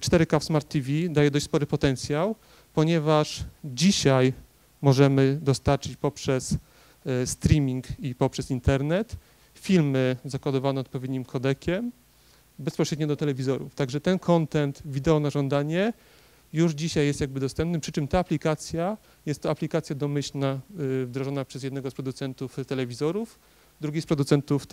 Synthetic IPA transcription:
t͡ʂt̪ɛɾɘkafsmaɾt̪ʲːivʲid̪ajɛd̪ɔɕ̬t͡ɕʲspɔɾɘpɔt̪ɛnt̪sʲjaw | pɔɲɛvaʂd͡ʑiɕaj | mɔʐɛmɘd̪ɔst̪aɾt͡ʂɘt͡ɕpɔpʂɛs | st̪ɾʲimʲiŋkipɔpʂɛsint̪ɛɾnɛt̪ | fʲilmɘzakwad̪ɔvanɛɔt̪pɔvʲjed̪̚ɲimkʰɔd̪ɛkʲɛm | bɛspɔɕɾɛd̪ɲɔd̪ɔt̪ɛlɛvʲizɔɾṵft̪aɡʐɛt̪ɛnkʰɔnt̪ɛnt̪vʲid̪ɛɔnaʐɔnd̪aɲɛ | juʐd͡ʑiɕajːɛst̪jaɡ̚bɘd̪ɔst̪ɛmpnɘmpʂɘt͡ʂɘmt̪aːplʲikat̪sʲja | jɛst̪ːɔaplʲikat̪sʲjad̪ɔmɘɕlnavd̪ɾɔʐɔnapʂɛzjɛd̪nɛɡɔspɾɔd̪ut̪sɛnt̪uft̪ɛlɛvʲizɔɾuf | d̪ɾuɡʲispɾɔd̪ut̪sɛnt̪uf

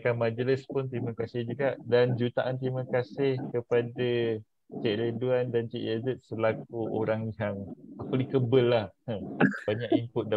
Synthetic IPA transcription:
kanmad͡ʒələspʊnt̪ɾimãkasɪhd͡ʒuɡaʔdand͡ʒut̪aʔant̪ɾimãkasɪhkəpada | t͡ʃɛʔləduandant͡ʃɛʔazət̪̚səlak̚uʔoɾaŋliɦaŋaklikəbəlːahəbaɲakimpʊt̪̚da

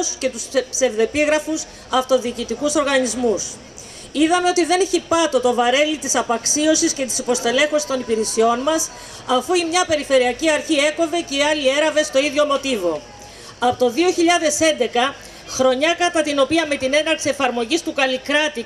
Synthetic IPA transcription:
sce̞t̪uspse̞vðe̞piɣɾɐfus | ɐft̪o̞ðiːcit̪ikuso̞ɾɣɐnizmus | iðɐme̞o̞t̪iðe̞neçipɐt̪o̞t̪o̞vɐɾe̞lit̪isɐpɐksio̞sisce̞t̪i̥sipo̞st̪e̞le̞xosi̥st̪o̞nipiɾesio̞nmɐs | ɐfuimɲɐpe̞ɾife̞ɾiɐciɐɾçie̞ko̞ve̞ceiɐlie̞ɾɐve̞st̪o̞iðʝo̞mo̞t̪ivo̞ | ɐpo̞t̪o̞ðio̞çiʎɐðe̞se̞nd̪e̞kɐ | xɾo̞ɲɐkɐt̪ɐt̪ino̞piɐme̞t̪ine̞nɐɾksie̞fɐɾmo̞ʝist̪ukɐlikɾɐt̪i

